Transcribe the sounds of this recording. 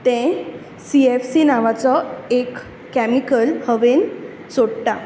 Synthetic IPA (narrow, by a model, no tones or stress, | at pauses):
t̪ɛ̃ | siefsinaʋat͡sɔekː | æmikəlhəʋen | soɽʈa